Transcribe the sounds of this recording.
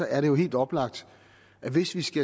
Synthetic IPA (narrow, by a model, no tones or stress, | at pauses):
ɒ̽ʔæɐɾe̝jo̝ɦe̝̰ːld̥ɒ̽b̥lɑ̈ɡ̥̚d̥ | ʔæʋe̝sʋisɡ̥æ